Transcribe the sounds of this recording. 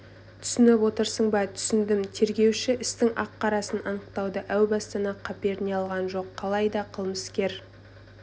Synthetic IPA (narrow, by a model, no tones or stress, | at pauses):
t̪ʰʏ̥sɪnɪpwo̞t̪əɾsəɴbɑt̪ʰʏ̥sɪnd̪ɪmt̪ʰe̞ɾɡʲe̞wʃɪʔɪst̪ɪŋʔɑqːɑɾɑsənɑnəqt̪ɑwd̪əʔæwbɑst̪ɑnɑqʰɑpeɾneɑlˠʁɑnʒo̞qʰːɑlˠɑjd̪ɑqʰəlˠməskʲe̞ɾ